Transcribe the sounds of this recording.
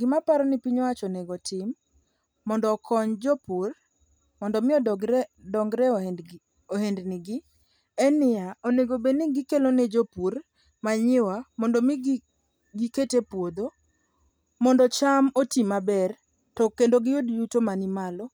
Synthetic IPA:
ɡɪmapaɾɔnipiɲwat͡ʃoneɡotʰɪmː | ɔndɔːkʰɔɲd͡ʒopur | mɔndɔmɪɔdɡdɔŋɡɾɛ | oɦendnɪɡɪ | ɛnɪaoneɡobeniɡɪkelonɛd͡ʒopur | maɲɪwamɔndɔmɪɡ | ɡiketepwod̪o | mɔndɔt͡ʃamotimabɛr | tɔkːendoɡɪodijutomanɪmalɔ

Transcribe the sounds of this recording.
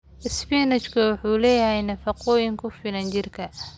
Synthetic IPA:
ʔɪspinɐt͡ʃkʰʊwʊħuːlɛːjɐɦɛjnɐfɑqɔːjɪŋkʰʊfɪlɐnt͡ʃɪrkʰɐ

